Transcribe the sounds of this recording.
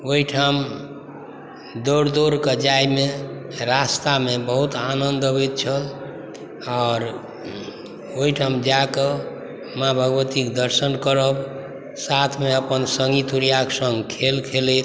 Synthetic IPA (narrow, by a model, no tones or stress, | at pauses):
oɦiʈʰam | d̪oɾd̪oɾkəd͡ʒajmeɾast̪amebəɦut̪anənd̪əbet̪̚t͡ʃʰəl | ɔːɾ | oɦiʈʰamd͡ʒakə | mabʱəɡʋət̪ikd̪əɾsənkəɾəb | sat̪ʰmeəpənsəŋɡit̪uɾijaksə̃ŋɡkʰelkʰelet̪̚